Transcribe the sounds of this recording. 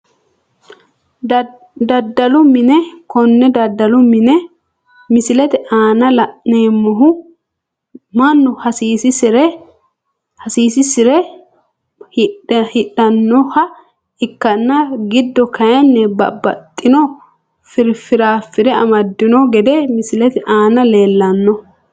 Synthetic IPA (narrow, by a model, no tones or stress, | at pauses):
d̪ɐd̪ːɐlʊmɪnɛkɔnːɛd̪ɐd̪ɐlʊmɪnɛ | mɪsɪlɛt̪ɛʔaːnɐlɐʔneːmːɔɦʊ | mɐnːʊhɐsiːsɪsɾ | hɐsiːsɪsɪɾɛ | hhɪɗːɐnːɔhɐ | ɪkːɐnːɐɡɪd̪ːɔkɐjɐnːɛbɐ̰bːɐ̰t̪ʼːɪnɔ | fɪɾfɪɾaːfːɪd̪ɛɐ̰mɐd̪ːɪnɔɡɛd̪ɛmɪsɪlɛt̪ɛʔaːnɐle̞ːlːɐnːɔ